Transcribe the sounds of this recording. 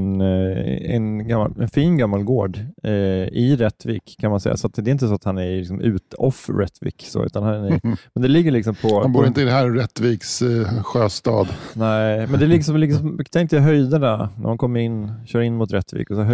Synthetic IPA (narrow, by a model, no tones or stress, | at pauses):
n | ɛ̰nɡamːa̰ɛnfiːnɡamːalɡoːɖ | ɪɾɛt̪ːviːkʰːanmansɛ̰jːa̰sɔat̪d̪ɛɪnt̪əsɔat̪hanæɾlɪksɔmʉ̟̰ːt̪ɔ̰fɾɛ̰t̪ːvḭːkso̰ːʉ̟ːt̪anhanæɾmɛnd̪ɛlɪɡːəɭɪksɔmpʰɔhanbuːɾɪnt̪əɪd̪ɛɦæːɾɾɛt̪ːviːksɧøːst̪ɑ̰ːd̪nɛɪmɛnd̪ɛlɪksɔmlɪksɔmt̪ʰɛŋkt̪əjaɦœjd̪ananæ̰mhankʰɔmːəɾɪnːɕœːɾɪnːmʊt̪ɾɛt̪ːvḭːkɔsɔɦœ